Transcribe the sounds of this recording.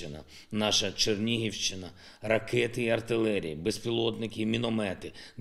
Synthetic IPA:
ɪnɐ̰ | nɑʃɐt͡ʃernʲiɦiwʃt͡ʃɪnɐ | rɐkɛt̪ɪiɐrt̪ɪlˠɛɾʲḭjibespʲilˠɔt̪nɪkimʲinɔmɛt̪ɪ

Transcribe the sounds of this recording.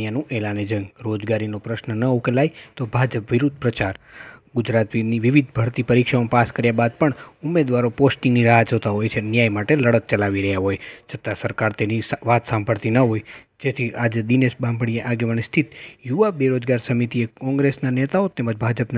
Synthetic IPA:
ijanũʔelaned͡ʒə̃ŋɡɾod͡ʒɡaɾinopɾəʃnənəukelajt̪obʱad͡ʒəpʋiɾud̪̚ʱpɾət͡ʃaɾɡʊd͡ʒɾat̪ʋiniʋiʋid̪ʱbʱəɾt̪ipəɾikʃaopaskəɾjabad̪̚pəɳumːed̪ʋaɾoposʈĩŋɡniɾaɦad͡ʒət̪aɦojt͡ʃʰenjajmaʈeləɽət̪̚t͡ʃəlaʋiɾəɦjaɦojt͡ʃʰət̪asəɾkaɾt̪enisʋat̪sãmbʱəɭt̪inəɦoj | d͡ʒet̪ʰiʔad͡ʒd̪inesbʱãmbɳijeʔaɡeʋaɳ̃ist̪ʰit̪juʋabeɾod͡ʒɡaɾsəmit̪iekɔ̃ŋɡɾesnanet̪aot̪eməd͡ʒbʱad͡ʒəpn

